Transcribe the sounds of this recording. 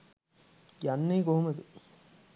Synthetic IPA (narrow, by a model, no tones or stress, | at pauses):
jɐnːɐɪkoːmɐðɯ